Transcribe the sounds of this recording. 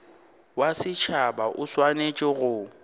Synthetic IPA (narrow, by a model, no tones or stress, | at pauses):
wasɪt͡ʃʰabaʔʊswanet͡ʃʼɪɣʊ